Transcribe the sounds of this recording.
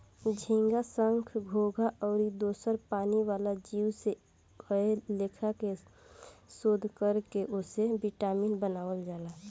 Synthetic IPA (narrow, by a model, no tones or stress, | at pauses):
d͡ʒʱĩːŋɡasəŋkʰɡʱoɡʱaʔɔːɾid̪oːsəɾpaːniʋaːlad͡ʒiːwse | ɡəeleːkʰake | soːd̪ʱkəɾkeʔosebiʈaːmiːnbənaːwəld͡ʒaːla